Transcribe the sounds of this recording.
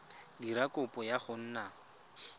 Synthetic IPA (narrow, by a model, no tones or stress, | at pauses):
diɾakʼʊpʼɔjaχʊn̩ːna